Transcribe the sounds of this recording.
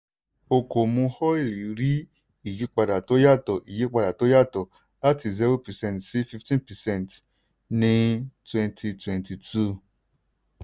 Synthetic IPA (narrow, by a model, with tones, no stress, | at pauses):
o˧ko˨mũ˧hɔ˦i˦˨li˨˦ɾi˦ | i˦˨ji˨˦k͡pa˧da˨to˦ja˦˨tɔ˨i˨je˨˦k͡pa˧da˨to˦ja˦˨tɔ˨ | la˦ti˧zi˦ɾo˦pɛ˨sɛ̃˦˨ntsi˦fi˧ftĩ˦npɛ˨sɛ̃˦˨nt | nĩ˧˦twɛ̃˧ntʰi˧twɛ̃˨nti˨tu˦˨